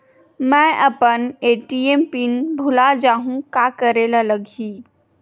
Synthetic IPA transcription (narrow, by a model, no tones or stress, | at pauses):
mɛ̃ʔəpəneːʈiempiːnbʱulad͡ʒaːɦũkakəɾelaləɡiː